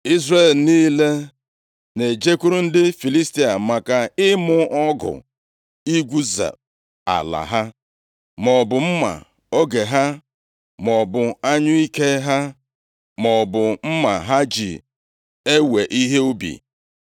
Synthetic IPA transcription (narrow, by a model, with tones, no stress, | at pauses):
i˦zre˨lniː˦le˦ | ne˨d͡ʒe˦ku˦ɾu˦n̩˦dɪ˦fi˨li˦sti˦a˨ma˨ka˨ɪ˦mʊ˦ɔ˦ɡʊ̰˨ | i˦ɡʷu˦za̰˨ | a̰˨la̰˨ɦa˦ | mɔ˨bʊ˨m̩˦ma̰˨ | o˦ɡe˨ɦa˦ | mɔ˨bʊ˨a˦ɲʊ˦i˦ke˦ɦa˦ | mɔ˨bʊ˨m̩˦ma̰˨ɦa˦d͡ʒḭ˨ | e˦we˨ʔi˦ɦe˦u˦bḭ˨